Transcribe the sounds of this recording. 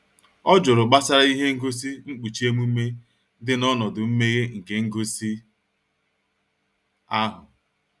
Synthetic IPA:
ɔ˦d͡ʒʊ˨ɾʊ˨ɡ͡ba˦sa˦ɾa˦i˦ɦe˦ŋ̩˦ɡo˦s̬i˦ŋ͡m̩˦k͡pu˨t͡ʃi˦e˦mu˦me˦ | dɪ˦nɔ˦nɔ˨dʊ˨m̩˦me˦ɣe˦ŋ̩˨ke˨ŋ̩˦ɡo˦si˦ | a˦ɦʊ˨

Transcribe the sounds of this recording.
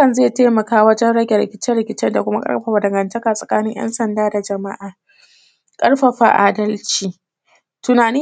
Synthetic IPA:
ɐ˨nzeː˦˨teː˦mɐ˨kaː˦wɐ˦d͡ʒɛ˦nɽɐ˦ɡʲɛ˨ɾɪ̰˨kʲɪ˦t͡ʃɛ˦ɾɪ˨kʲɪ˦t͡ʃɛ˦nda˨kʷʊ˦ma˦kʼɐ̰˦ɾɸa˨ɸa˨dɐ˨ŋɡɐ˨ntɐ˦kaː˨sʼɐ˨kaː˦nɪ˦jɐ̰˦nsɐ˨ndaː˦da˨d͡ʒɐ˨ma̰˦ʔaː˨ | kʼɐ˦rɸa˨ɸa̰˨ʔa̰ː˨dɐ˦lt͡ʃiː˨ | tʊ˨naː˨ni˦

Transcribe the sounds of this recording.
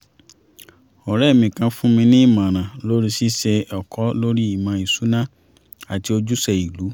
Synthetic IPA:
ɔ˨ɾɛ˦˨mĩ˨kã˧fũ˦mĩ˧nĩ˦i˦˨mã˨ɾ̃ã˨lo˦ɾi˦si˦sɛ˧ɔ˨kɔ˨˦lo˦ɾi˦i˦˨mã˨˧˨i˨su˨˦nã˦ | a˨ti˧o˧d͡ʒu˦sɛ˧i˨lu˨˦

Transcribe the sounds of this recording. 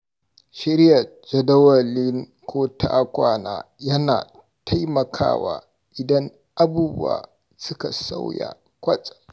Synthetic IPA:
ʃɪ˦ɾja˨ | d͡ʒɐ˨dɐ˦wɐ˨lɪ˦ŋ | kʰʷoː˦tʰaː˦kʷaː˨naː˨jɐ˦na̰ː˨ | tʰa˦jmɐ˨kʰa̰ː˦waː˨ | ʔɪ˨dɐ˦ŋ | ʔa˦buː˦bṵ˦a̰ː˨ | sʊ˦ka˨sa˦wja̰˨ | kʷɐ˦sʼḁ˨

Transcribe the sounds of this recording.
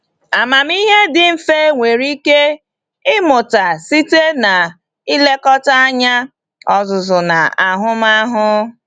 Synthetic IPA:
a˨ma˨m˦i˦ɦe˦dɪ˨m̩˨fe˦ŋʷe˨ɾi˦ke˦ | ɪ˦mʊ˨ta˨si˦te˦na˨ | i˦le˦kɔ˦ta˦a˦ɲa˦ | ɔ˦zʊ˨zʊ˨na˨a˨ɦʊ˦ma˦ɦʊ˦

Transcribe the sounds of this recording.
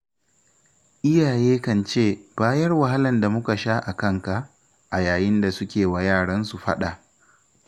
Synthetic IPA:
ʔɪ˦jaː˨jeː˦kɐ˨nt͡ʃeː˦˨b̥aː˦jɐ˦rwa˨ɦa˦lɐ˨nda˨mʊ˦ka˨ʃaː˦ʔa˨kɐ˦ŋka˨ʔ | ʔa˨jaː˨jɪ˦nda˨sʊ˦kʲeː˨wa˨jaː˦˨ɽɐ˦nsu˨ɸɐ̰˦ɗa˨ʔ

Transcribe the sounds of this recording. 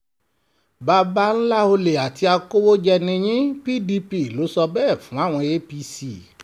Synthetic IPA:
ba˧ba˦n̩˦la˦o˧le˨a˨ti˧a˧ko˦wo˦d͡ʒɛ˧nĩ˧j̃ĩ˦pi˦di˧pi˦˨lo˨˦sɔ˧bɛː˦˨fũ˨˦a˦˨w̃ɔ̃˧je˦pi˧si˦˨

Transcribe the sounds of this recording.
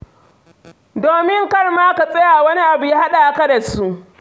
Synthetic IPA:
doː˨mɪ˦ŋkɐ˦rmaː˦ka˨sʼɐ˦jaː˨wɐ˦ni˦ʔa˨bu˨jaː˦ha˦ɗa˨a˨kɐ˦dɐ˨su˦ʔ

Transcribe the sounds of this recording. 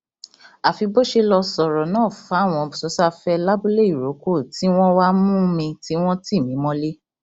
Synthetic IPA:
a˨fi˧bo˦ʃe˧lɔ˧sɔ˨ɾɔ˨nãː˦˨fa˨˦˨w̃ɔ̃˧ɔ˧bu˨sɔ˨˦sa˦fɛ˧la˦bu˦le˦i˨ɾo˨˦ko˦˨ti˨˦w̃ɔ̃˦wa˦mũ˦mĩ˧ti˨˦w̃ɔ̃˦ti˦˨mĩ˨˦mɔ̃˦le˦

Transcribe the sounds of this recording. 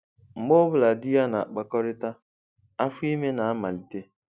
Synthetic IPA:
ŋ͡m̩˨ɡ͡bo˦bʊ˨la˨dɪ˦ja˦na˨a˨k͡pa˨kɔ˦ɾɪ˦ta˦ | a˦fʊ˦i˦me˦na˨a˦ma˨li˨te˦

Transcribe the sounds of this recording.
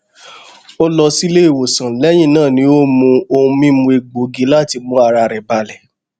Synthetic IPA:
o˦lɔ˧si˦le˦i˦˨wo˨sã˨lɛ˨˦j̃ĩ˦˨nãː˦˨nĩ˧˦o˦mũ˧o˧ũ˧mĩ˦mũ˧˦e˧ɡ͡bo˨˦ɡi˨˦la˦˨ti˧mũ˧˦a˧ɾa˧ɾɛ˨ba˧lɛ˨

